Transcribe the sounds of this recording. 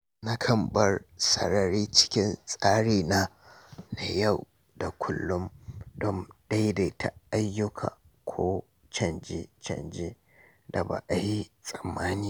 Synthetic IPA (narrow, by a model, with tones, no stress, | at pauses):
na˦kʰɐ˨mbɐ˦rsɐ̰˨ɾɐ˨ɾiː˦t͡ʃɪ̥˦kʲɪ˦nsʼaː˦ɽiː˨na˦ | na˨ja˦˨w | da˨kʷʰʊ˦lːʊ˦mdɔ˦mɗa˦jde˨tʰa˨ʔa˦jːʊ˦kʰa̰ː˨ | kʷʰoː˦ | t͡ʃɐ˨nd͡ʒe˦t͡ʃɐ̰˨nd͡ʒe˦ | da˨ba̰˨ʔa˨ji˦sʼɐ˨mːaː˦niː˦